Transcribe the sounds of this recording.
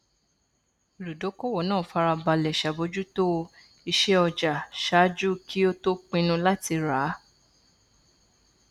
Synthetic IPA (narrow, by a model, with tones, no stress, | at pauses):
lu˨do˨˦ko˦˨wɔ˨nãː˦˨fa˧ɾa˧ba˧lɛ˨ʃa˨bo˨˧d͡ʒu˦to˦˧ | i˧ʃɛ˦ɔ˧d͡ʒa˨ʃa˦d͡ʒu˦kʰi˦o˦to˦k͡pĩ˧nũ˧la˦ti˧ɾa˨˦